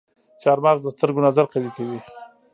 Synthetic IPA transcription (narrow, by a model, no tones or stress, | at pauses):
t͡ʃɑɾmɑɾd̪əst̪əɾɡonazaɾqalikawi